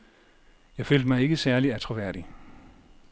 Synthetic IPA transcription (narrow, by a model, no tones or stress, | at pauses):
jɑ̈ɪføːl̰d̥mɑ̈ɪe̝ɡ̥əsæɐliæt͡sʰʁoʋæɐ̰ɾ̥i